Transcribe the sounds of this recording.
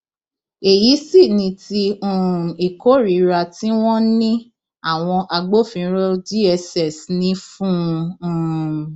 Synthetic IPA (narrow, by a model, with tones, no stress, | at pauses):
e˨ji˨˦si˦˨nĩ˧ti˧ũ˨i˨ko˦ɾi˨ɾa˧ti˦w̃ɔ̃˦nĩ˦ | a˦˨w̃ɔ̃˧ʔa˧ɡ͡bo˦fĩ˧˦ɾo˦d͡ʒi˦ɛ˧sɛ˨snĩ˧˦fũ˦˧ũ˦˨